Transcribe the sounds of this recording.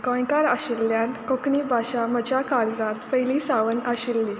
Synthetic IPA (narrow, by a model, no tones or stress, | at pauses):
kɔ̃jkaɾaɕilːjãnt̪kokɳibʱaɕamət͡ɕjakaɽd͡zãt̪pəjlisaʋənaɕilːi